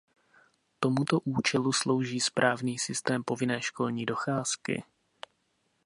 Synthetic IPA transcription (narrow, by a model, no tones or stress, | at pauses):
t̪o̞mut̪o̞ʔuːt͡ʃɛluslo̞wʒiːspɾʔaːvniːsɪst̪ɛːmpo̞vɪnɛːʃko̞lɲiːdo̞xaːskɪ̰